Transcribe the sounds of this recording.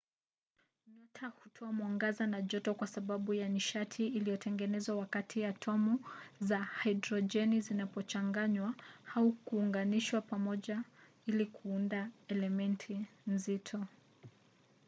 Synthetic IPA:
nɔtʰahutʰɔamwaŋɡazanaʄɔtɔkwasaɓaɓujaniʃatʰiːlijɔtɛŋɡɛnɛzwawakatʰiatʰɔmuzahaidɾɔd͡ʒɛnizinapɔt͡ʃaŋɡaɲwahaukuːŋɡaniʃwapamɔʄa | ilikʰuundaɛlɛmɛntʰinzitʰɔ

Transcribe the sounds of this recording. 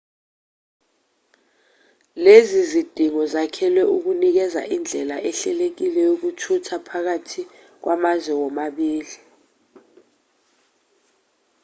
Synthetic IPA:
lezizid̥ʱiŋɔzakʰɛlwɛuk̬unik̬ɛza̰ʔind͡ɮʱɛlaʔɛɬɛlek̬ilɛjok̬utʰutʰapʰak̬atʰi | k̬wamazwɛwɔmaɓiːli

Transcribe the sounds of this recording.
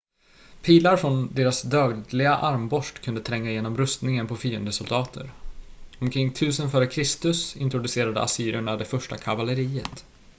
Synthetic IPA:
pʰiːlaɾfɾɔnd̪eːɾasd̪œːɡ̪lɪɡaʔaɾmbɔʂʈkʰɵnd̪ət̪ʰɾɛŋːajeːnɔmɾɵst̪nɪŋənpʰɔfyːənd̪əsɵld̪ɑːt̪ʰə̰ɾɔmkʰɾɪŋːt̪ʰʉ̟ːsənfœːɾəkʰɾɪst̪ɵsɪ̰nt̪ɾʊd̪ɵseːɾad̪ə̰asyːɾɪɳad̪ɛfœʂʈa̰kʰavaləɾiːət̪

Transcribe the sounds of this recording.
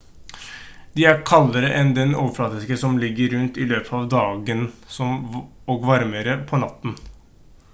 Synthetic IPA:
d̪ɪæɾkʰɑlːəɾəʔɛnd̪ɛnoːʋəflɑːt̪ɪskəsɔmlɪɡːəɾːʉnt̪ɪløːpʰəɑːʋd̪ɑːɡənsɔm | ɔɡʋɑɾməɾəpʰɔnɑt̪ːn̩

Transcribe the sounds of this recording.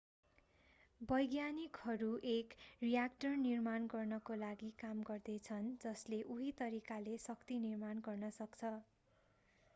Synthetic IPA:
bʌjɡjanikhʌɾuʔekrijak̚ʈʌrnirmanɡʌrnʌkolaɡikamɡʌrd̪et͡sʰʌnd͡zʌsleʔuɦit̪ʌɾikalesʌkt̪inirmanɡʌrnʌsʌkt͡sʰʌ

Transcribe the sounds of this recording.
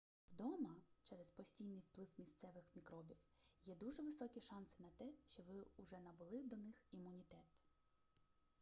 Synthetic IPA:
wd̪ɔmɐt͡ʃɛɾɛzpɔsʲtʲijnɪjwplˠɪwmʲist̪sɛʋɪxmʲikɾɔbʲiwjɛd̪uʒɛʋɪsɔkʲiʃɑnsɪ̥nɐt̪ɛʃt͡ʃɔʋɪʊʒɛnɐbʊlˠɪd̪ɔnɪximːʊnʲit̪ɛt̪

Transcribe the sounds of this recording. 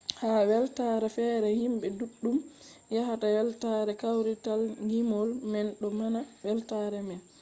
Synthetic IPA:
haːwɛltaɾɛfɛːɾɛhimɓɛduɗːumjaɦatawɛltaɾɛkawɾitalɡimɔlmɛnɗɔmanawɛltaɾɛmɛl

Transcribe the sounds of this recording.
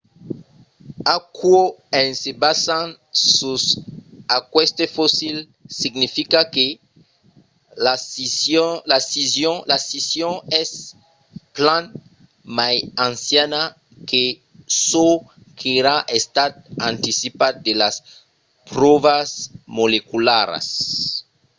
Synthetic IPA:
akwoẽnsebasan | susakwest̪efosil | siɡnifikake | asisolasisjoŋlasisjõŋes | plãn | majãnsjana | ke | so | kʰeɾaʔest̪at̪̚ãnt̪isipat̪̚d̪elas | pɾoβasmolekulaɾa̰s

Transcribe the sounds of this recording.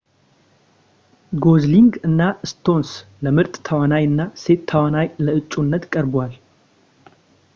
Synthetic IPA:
ɡo̞zliŋɡɨnːaɨst̪ʰo̞nsləmɨɾt̪ʼt̪ʰəwanajɨnːase̞t̪ʰːəwanajləɨt͡ʃʼːunːət̪kʼəɾbwal

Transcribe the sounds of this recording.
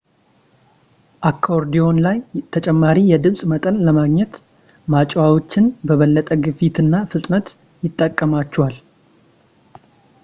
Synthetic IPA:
ʔakʰːoɾd̪ijo̞nlajt̪ʰət͡ʃʼɛmːaɾijɛd̪ɨmsʼmət̪ʼənləmaɡɲɛt̪ | mat͡ʃʼwawot͡ʃːɪnbəβəlːət̪ʼəɡɨfit̪ɨnːafɨt̪ʼnət̪ | jɪt̪ʼːəkʼːəmat͡ʃːɛwal

